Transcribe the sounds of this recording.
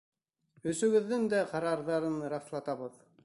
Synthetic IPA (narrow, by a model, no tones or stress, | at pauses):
ɵ̆sɵ̆ɡɘ̆ðːɘŋd̪æqɑɾɑɾðɑɾɤnɾɑflˠɑt̪ɑβɤð